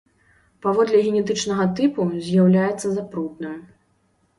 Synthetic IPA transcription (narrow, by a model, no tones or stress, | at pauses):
pavɔd̪lʲɛɣʲɛnʲɛt̪̬ɨt͡ʂnɐɣɐt̪ɨpuzʲjawlʲajɛt̪sːɐzapɾut̪nɨm